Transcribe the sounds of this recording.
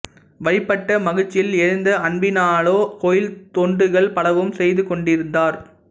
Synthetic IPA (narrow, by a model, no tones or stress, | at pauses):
ʋɐɻɪpːɐʈːɐmɐɣɯt͡ʃːɪlɛɾɯnd̪ɐɐɳbɪnaːɭoːkoːjɪlt̪oːɳɖɯɣɐɭpɐɽɐʋɯmsɛjðɯkɔɳɖɪɾɯnd̪aːɾ